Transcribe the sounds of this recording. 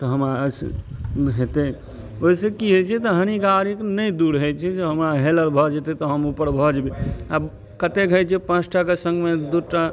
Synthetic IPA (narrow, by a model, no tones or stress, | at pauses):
t̪ɔɦəmɾas | ɦet̪e | oisekiɦet͡ʃʰɛt̪ɔɦəñikaɾiknəjd̪uɾɦəjt͡ʃʰɛd͡ʒeɦəmɾaɦeləɾbʱɔd͡ʒet̪et̪ɔɦəmupəɾbʱɔd͡ʒbeab | kət̪ekɦəjt͡ʃʰɛpãt͡ʃʰʈʰakesə̃ŋɡmed̪uʈa